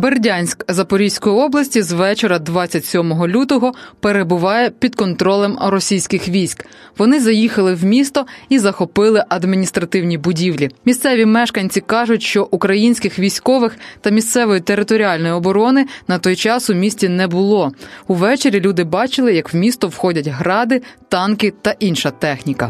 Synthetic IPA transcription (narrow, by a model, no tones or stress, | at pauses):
berdʲanʲsʲkzɐpɔɾʲisʲkɔjiɔblˠɐsʲtʲizʋɛt͡ʃeɾɐd̪ʋɑt͡st͡sʲːɐtʲsʲɔmɔɦɔlʲut̪ɔɦɔpeɾebʊʋɑjɛpʲid̪kɔnt̪ɾɔlˠɛmɾɔsʲijsʲkɪxʋʲijsʲk | ʋɔnɪzɐjixɐlˠɪwmʲist̪ɔizɐxɔpɪlˠɪʔɐd̪mʲinʲist̪ɾɐt̪ɪwnʲibʊdʲiwlʲimʲist̪sɛʋʲimɛʃkɐnʲt͡sʲikɑʒʊtʲʃt͡ʃɔʔukɾɐjinʲsʲkɪxʋʲijsʲkɔʋɪxt̪ɐmʲist̪sɛʋɔjit̪eɾɪt̪ɔɾʲiɑlʲnɔjʊɔbɔɾɔnɪnɐt̪ɔjt͡ʃɑsʊmʲisʲtʲinɛbʊlˠɔuʋɛt͡ʃeɾʲilʲud̪ɪbɑt͡ʃɪlˠɪjɐkwmʲist̪ɔwxɔdʲɐtʲɦɾɑd̪ɪt̪ɑnkɪt̪ɐʔinʃɐt̪ɛxnʲikɐ